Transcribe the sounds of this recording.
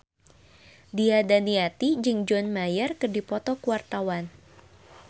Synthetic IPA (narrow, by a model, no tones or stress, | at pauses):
diadaniat̪id͡ʒɨŋd͡ʒɔnmajərkɨrdipɔt̪ɔkuwart̪awan